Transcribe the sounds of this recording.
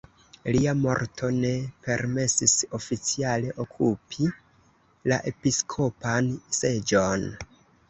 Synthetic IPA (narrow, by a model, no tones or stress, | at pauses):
liamo̞̰ɾtʰo̞ne̞pe̞ɾme̞siso̞fit͡siale̞ʔokʰupʰi | la̰ʔe̞piskʰo̞panse̞d͡ʒon